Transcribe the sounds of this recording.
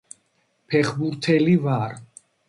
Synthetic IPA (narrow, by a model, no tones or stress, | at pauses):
pʰɛχbuɾt̪ʰɛlivaɾ